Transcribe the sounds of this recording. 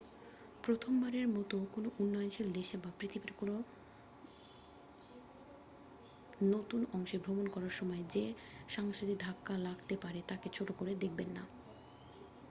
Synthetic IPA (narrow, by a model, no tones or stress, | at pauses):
pɾot̪ʰombaɾeɾmɔt̪okonoʔunːɔjonʃild̪eʃabapɾit̪ʰibiɾkono | not̪unɔŋʃebʱɾomonkɔɾaɾʃɔmɔed͡ʑe | ʃaŋʃod̪id̪ʱakːalaɡt̪epaɾet̪aket͡ɕʰoʈokoɾed̪ek̚ʰbenːa